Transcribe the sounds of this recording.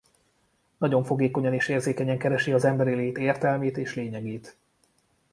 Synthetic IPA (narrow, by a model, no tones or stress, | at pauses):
nɒɟo̞ɱfo̞ɡeːko̞ɲɒneːʃeːrzeːkɛɲɛŋkɛɾɛʃiɒzɛmbɛɾileːt̪eːrt̪ɛlmeːt̪eːʃleːɲɛɡeːt̪